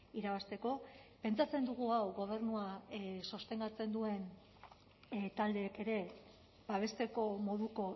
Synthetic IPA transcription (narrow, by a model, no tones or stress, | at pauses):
iɾaβast̪e̞ko̞pe̞nt͡sat͡se̞nd̪uɣ̞uawɣo̞β̞e̞ɾnuaso̞st̪e̞ŋɡ̪at͡se̞nd̪ue̞n | t̪ald̪e̞ːke̞ɾe̞ | baβ̞e̞st̪e̞ko̞mo̞ðuko̞